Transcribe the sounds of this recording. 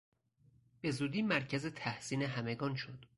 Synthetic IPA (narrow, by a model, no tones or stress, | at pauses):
b̥e̞zuːd̪iːmæɾcʰæze̞t̪ʰæhsiːneɦæme̞ɡɒːnʃod̪̥